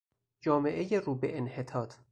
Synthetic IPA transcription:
d͡ʒɒːme̞ʔejeruːbeʔenhet̪ʰɒːt̪ʰ

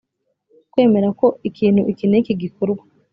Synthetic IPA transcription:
kwe̞ːme̞ɾako̞ikiːn̥huʔikiːnekiɡikoɾɡwḁ

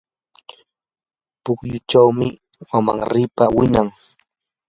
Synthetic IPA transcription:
pʊχjʊt͡ʃawmɪ | wama̰ŋɾɪpawɪnaŋ

